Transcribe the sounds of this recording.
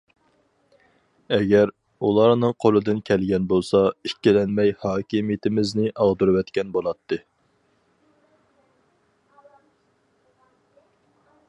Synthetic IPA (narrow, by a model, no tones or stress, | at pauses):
ɛɡʲɛɾ | ulˠɑɾnɨŋqʰolˠɨd̪ɨnkʲʰɛlɡʲɛnbolˠsɑikʲːilɛnmɛjhɑːkʲimijɪt̪ʰɪmɪznɪʔɑʁd̪ɨɾɨwɛt̪kʲɛnbolˠɑt̪ʰːɨ